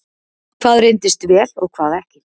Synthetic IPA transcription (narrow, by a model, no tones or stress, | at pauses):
kʰv̥aːðrɪjnt̪ɪst̪vɛːlɔɣkʰvaːðɛhcɪ̥